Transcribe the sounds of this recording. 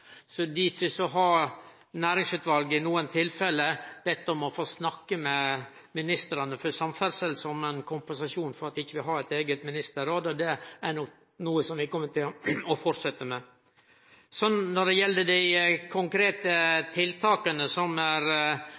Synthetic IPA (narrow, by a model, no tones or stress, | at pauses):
sɔd̪ɪfɪsɔɦɑ | næːɾɪŋsʉːt̪ʋɑlɡɪnuːənt̪ʰɪlfɛlːəb̥ɛt̪ːɔmɔfoːsnɑkːəmɛ | mɪnɪst̪əɾɑnəfɔsɑmfæɾsɛlsɔmɛnkʰʊmpɛnsɑʂuːnfɔɾɑt̪ɪçːəʋɪlɦɑːɾɛt̪eːɡət̪mɪnɪst̪əɾoːd̪ɔd̪ɛænɔk | nuːəsɔmʋɪkʰɔmːət̪ɪlɔfɔʈsɛt̪ːəmɛ | sɔnːɔɖ̪ɛjɛlːəd̪æɪkʰʊŋkɾeːt̪ət̪ʰɪlt̪ʰɑːkənəsɔmæɾ